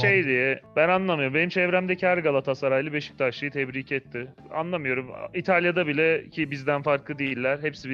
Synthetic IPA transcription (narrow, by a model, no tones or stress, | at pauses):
ʃejd̪ijɛbænanlˠamɯjo̞ɾumbe̞nimt͡ʃʰɛvɾæmd̪ɛcʰæɾɡalˠat̪ʰasaɾajlˠɯbeʃi̥c̚t̪ʰaɾʃɯjɯt̪ʰɛbɾiːcʰɛt̪ʰːɪ | a̰nlˠamɯjo̞ɾumit̪ʰalʲjad̪abilʲɛcʰibizd̪ænfaɾklˠɯd̪ejilʲːæɾ̥ɦɛpsib